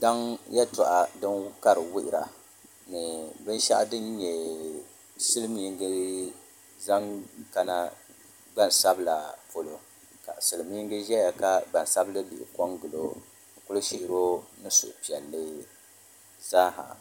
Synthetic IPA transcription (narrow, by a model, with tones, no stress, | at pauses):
da˦ŋja˦tʊ˨ʔa˨dɨ˦n˦ka˦ɾɨ˨wɪ˦ʔɪ˨ɾa˨ | nɨ˨bɨ˦n˦ʃa̰˦ʔdɨ˦nɲɛ˨ | sɨ˦lmiː˦ŋ˦ɡɨ˦ | za˦ŋka˦na˦ | ɡ͡ba˦nsa˦bɨ˦la˨po˨lo˨ | ka̰˨sɨ˨lɨ˨mi˦ŋɡɨ˦ʒɛ˦ja˨ka˦ɡ͡ba˨n˨sa˦blɨ˦bi˨ʔɪ̰˨kɔ˦ŋɡɨ˨lo̰˨˦ | nɨ˨kʊ˦lɨ˦ʃi˦ʔɪ˦ɾo˦nɨ˦sʊ̰˨ʔpi˨ɛ˨lːɨ˦ | zaː˦ɦa̰˨